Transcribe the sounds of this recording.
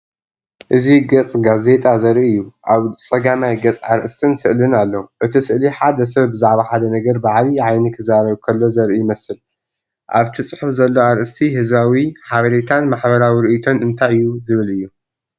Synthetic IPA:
ʔɨziɡɐt͡sʼɡaze̞t̪ʼazɐɾʔiɨjːuʔaβt͡sʼɐɡamajɡɐt͡sʼa̰ɾʔɨst̪ʰɨnsɨʔlɨnalːɐwuʔɨt̪ʰisɨʔliħad̪ɐs̬ɐβbɨzaʕβaħad̪ɐnɐɡɐɾbɨʕaβiʕajnikʰɨzaɾɐβkʰɐlːo̞zɐɾʔijɪmɐsɨl | ʔaβt̪ʰisʼɨħɨfzɐlːo̞aɾʔɨst̪ʰihɨzbawiħaβɐɾet̪ʰanmaħbɐɾawiɾɨʔit̪ʰo̞nɨnt̪ʰajɨjːuzɨβɨlɨjːu

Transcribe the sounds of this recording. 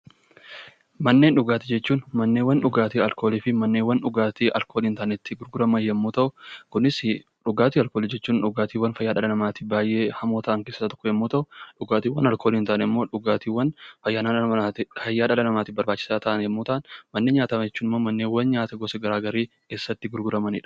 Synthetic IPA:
mɐnːe̞ːnᶑʊɡaːt̪ɪd͡ʒɛt͡ʃːuːnmɐnːewːɐnᶑʊɡaːt̪iːɐlko̞ːliːfɪmɐnːeːwːɐnᶑʊɡaːt̪iːʔɐlkʰoːliːnt̪aːnɛt̪ːɪɡʊɾɡʊɾɐmɐjɛmːuːt̪ɐʔʊkʊnɪs | ᶑʊɡaːt̪iːɐlko̞ːliːd͡ʒɛt͡ʃːuːnᶑʊɡaːt̪iːwːɐnfɐjːaːᶑɐᶑɐnɐmaːt̪ɪbaːjʔe̞ːhɐmoːt̪ɐʔɐŋkeːssaːt̪ɔ̥kːɔjɛmːuːt̪ɐʔʊᶑʊɡaːt̪iːwɐnɐlkoːliːnt̪aːʔnɪmːo̞ːᶑʊɡaːt̪iːwɐnfɐjːaːnaːɐat̪ɪfɐjːaːᶑɐlɐnɐmaːt̪ɪbɐɾbaːt͡ʃːɪ̥saːt̪ɐʔɐnjɛmːuːt̪ɐʔɐnmɐnːeːnɲaːt̪ɐmɐd͡ʒɛt͡ʃːuːnɪmːoːmɐnːeːwɐnɲaːt̪ɐɡɔsɛɡɐɾaːɡɐɾiː | keːsːɐt̪ːɪɡʊɾɡʊɾɐmɐnɪ̰ːᶑɐ̥

